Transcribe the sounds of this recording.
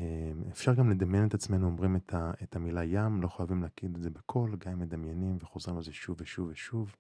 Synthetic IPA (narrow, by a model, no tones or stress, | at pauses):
emefʃaʁɡamle̞d̪amjenet̪at͡sme̞nuomʁimet̪ʰaet̪ʰamilajamlo̞χajavimleːkʰid̪etzebekʰo̞lɡaemːed̪amjenimveχo̞zʁimaelzeʃuveʃuveʃuv